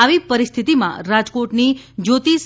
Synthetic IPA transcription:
aʋipəɾist̪ʰit̪imã̰ɾad͡ʒkoʈnid͡ʒot̪is

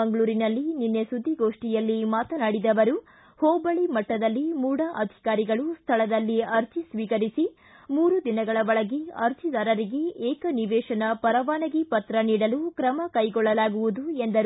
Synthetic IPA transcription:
ɐŋɡɐɭuːɾinɐlːininːesud̪ʱːiɡo̞ːʂʈijɐlːimaːt̪ɐnaːɽid̪ɐʋɐɾu | hɔːbɐɭimɐʈːɐd̪ɐlːimuːɽɐʔɐd̪ʱi̥kaːɾiɡɐɭust̪ʰɐɭɐd̪ɐlːiɐɾt̪ʰisʋiːkɐɾisi | muːɾud̪inɐɡɐɭɐʋɔɭɐɡeɐ̰ɾt̪ʰid̪aːɾɐɾiɡeɛːkɐniʋɛːʂɐnɐpɐɾɐʋaːnɐɡipɐt̪ɾɐniːɽɐlukɾɐmɐkɐjɡɔɭːɐlaːɡuʋud̪uend̪ɐɾ

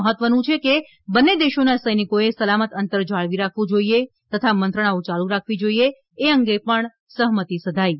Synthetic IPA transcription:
əɦət̪ʋənũt͡ʃʰeke | bənːed̪eʃonasəjnikoesəlamət̪ənt̪əɾd͡ʒaɭʋiɾakʰʋũd͡ʒoie | t̪ət̪ʰamənt̪ɾəɽ̃aũt͡ʃalũɾakʰʋid͡ʒoieː | əŋɡepəɳ | səɦmət̪isəd̪ʱai

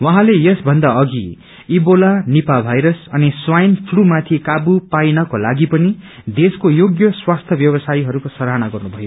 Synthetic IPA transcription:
wʌɦãlejʌsbʱʌnd̪aʌɡi | ibolanipabʱajɾʌsʌniswajnpʰlumat̪ʰikabupajnʌkolaɡipʌni | d̪eskojoɡjʌswast̪ʰʌbjʌbʌsajiɦʌɾukosʌɾɦanaɡʌrnubʱʌjo

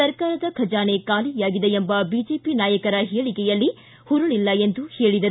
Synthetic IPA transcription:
ɐɾkaːɾɐd̪ɐkʰɐd͡ʒaːnekaːlijaːɡid̪eembɐbid͡ʒeːpinaːjɐkɐɾɐɦiːɭikɛjɐlːi | huɾuɭilːɐend̪uhe̞ːɭid̪ɐɾu

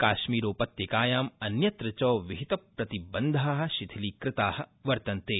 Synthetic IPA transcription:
kaːʃmiːɾoːpɐt̪jɐkaːjaːmɐnjɐt̪ɾɐt͡ʃɔːʋiɦit̪ɐpɾɐt̪ibɐnd̪ʱaːɦɐ̆ʃit̪ʰiliːkɾɪt̪aːhɐ̆ʋɐɾt̪ɐnt̪eː

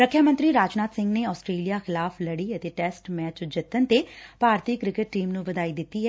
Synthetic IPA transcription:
ɾəkʰːjamə̃nt̪ɾiːɾaːd͡ʒnaːt̪sɪ̃ŋɡneːɔːsʈɾeːlijaːxɪlaːpʰləɽiːət̪eːʈɛːsʈmɛːt͡ʃd͡ʒət̪ːənt̪eːpaːɾt̪iːkɾɪkɪʈ̚ːiːmnũʋəd̪aːiːd̪ɪt̪ːiːɦɛː

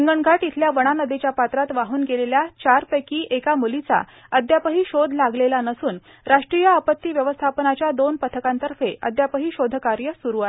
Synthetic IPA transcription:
iŋɡəɳɡʱaʈit̪ʰljaʋəɽ̃anəd̪ʱet͡ɕjapat̪ɾat̪ʋaɦuːnɡeleljat͡ɕaɾpɛkiːʔekamulit͡sa̰ | əd̪ʱjapəɦiːɕod̪ʱlaɡlelanəsuːn | ɾaʂʈɾijəəpət̪ːiːʋjəʋəst̪ʰapənat͡ɕjad̪onpət̪ʰəkãnt̪əɾfeʔə̰d̪ʱjapəɦiːɕod̪ʱəkaɾjəsuɾua

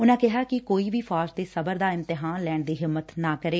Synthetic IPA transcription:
ʊnãːkɪɦaːkɪkoːiːʋiːfʰaːɾd͡ʒd̪eːsəbəɾd̪aːɪ̃nt̪ɪɦaːnlɛːɳd̪iːɦɪmːət̪naːkəɾeː

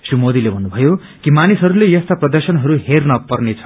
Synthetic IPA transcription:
sumod̪ilebʱʌnːubʱʌjo | kimanisɦʌɾulejʌst̪aprʌd̪ʌrsʌnɦʌɾuhernʌpʌrnet͡sʰʌ̥

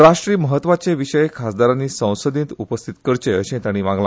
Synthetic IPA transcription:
ɾaʂʈɾiːməɦət̪ːʋat͡seʋiɕəjekʰasd̪aɾanːiːsə̃w̃səd̪ĩnt̪upəst̪ʰit̪kəɾt͡ɕeəɕẽt̪aɽ̃iːʋãŋɡlã

